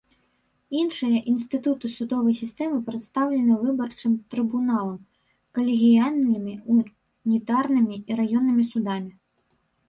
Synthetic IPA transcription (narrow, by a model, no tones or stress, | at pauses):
inʂɨjɐʔinst̪ɨt̪ut̪ɨsud̪ɔvɐjsʲist̪ɛmɨpɾɛt̪st̪awlʲɛnɨvɨbɐrt͡ʂɨmt̪ɾɨbunalˠɐm | kɐlʲiɣʲijanːɨmʲiu | nʲit̪arnɨmʲiiɾajɔnːɨmʲisud̪amʲi